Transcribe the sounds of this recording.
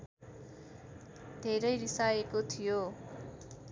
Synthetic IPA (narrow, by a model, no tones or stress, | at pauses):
d̪ʱeɾʌjɾisaekot̪ʰijo